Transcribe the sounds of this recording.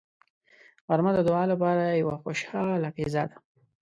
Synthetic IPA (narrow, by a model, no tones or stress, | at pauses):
ɣaɾmad̪əd̪oɑlap̬ɑɾajawaxoʃɑlakezɑd̪ḁ